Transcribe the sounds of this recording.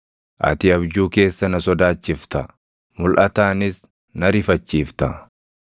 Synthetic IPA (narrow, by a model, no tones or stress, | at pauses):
ʔɐ̰t̪ɪɐbd͡ʒuːke̞ːsːɐnɐsɔd̪aːt͡ʃːɪft̪ɐ | mʊlʔɐt̪aːnɪs | nɐɾɪfɐt͡ʃːiːft̪ɐ